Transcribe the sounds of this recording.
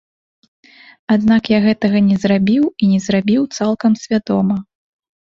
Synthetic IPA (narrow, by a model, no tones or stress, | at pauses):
ad̪nakjaɣɛt̪ɐɣɐnʲɛzrabʲiwinʲɛzrabʲiwt̪salˠkɐmsʲvʲad̪ɔmɐ